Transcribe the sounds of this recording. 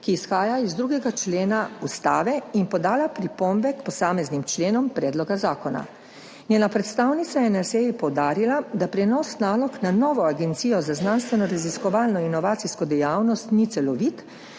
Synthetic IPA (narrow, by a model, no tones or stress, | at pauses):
kiːsxaːjaizd̪ɾuːɡɛɡat͡ʃleːnaust̪aːʋɛinpɔd̪aːlapɾipɔmbɛkpɔsaːmɛznimt͡ʃleːnɔmpɾɛːd̪lɔɡazaːkɔna̰ | nʲjeːnapɾɛt̪st̪aːwnit̪sajɛnaseːjipɔwd̪aːɾilad̪apɾɛnɔsnaːlɔknanɔːʋɔaɡɛnt̪siːjɔzaznanst̪ʋɛnɔɾaziskɔʋaːlnɔinɔʋaːt̪siskɔd̪ɛjawnɔst̪nit̪sɛlɔʋit̪